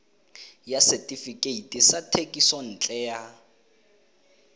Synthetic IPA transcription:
jasɛtʼifikʼeitʼisatʰekʼisɔn̩ːt͡ɬʼɛja

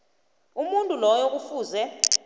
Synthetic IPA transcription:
umuntʼulɔjok̬ʼufuːzɛ

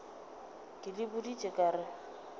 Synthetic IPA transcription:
kʼɪlɪbʊdit͡ʃʼɪkʼaːɾɪ

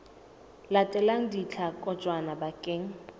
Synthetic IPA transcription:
latʼɛlaŋ̩dit͡ɬʰakʼɔt͡ʃʼwanabakʼeːŋ̩

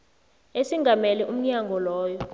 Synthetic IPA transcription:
esiŋɡʱamɛlɛʔum̩ɲaŋɡʱɔlɔːjɔ

